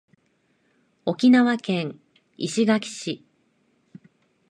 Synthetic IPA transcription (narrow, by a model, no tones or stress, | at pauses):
o̞kʲinaβakẽ̞ŋ | iɕiɡakʲi̥ɕi